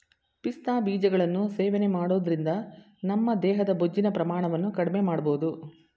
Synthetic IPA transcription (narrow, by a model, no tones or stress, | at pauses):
pist̪aːbiːd͡ʒɐɡɐɭɐnːuseːʋenemaːɽoːd̪ɐɾind̪ɐ | nɐmːɐd̪ɛːɦɐd̪ɐbod͡ʒːinɐpɾɐmaːɳɐʋɐnːukɐɽime̞maːɽɐboːud̪u